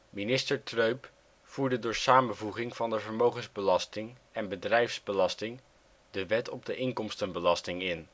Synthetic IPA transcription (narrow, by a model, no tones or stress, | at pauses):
minɪstəɹtrøɥp | fuːɹdədʊːɹsaːmənvuχɪŋv̥ɑndəvəɹmowχənzbəlɑstɪŋɛnbədrɛjfzbəlɑstɪŋ | dəʋɛtɔb̚dəʔɪŋkɔmstənbəlɑstɪŋɪn